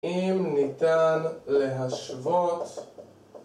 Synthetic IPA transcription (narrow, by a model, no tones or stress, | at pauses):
imnit̪anleɦaʃvot̪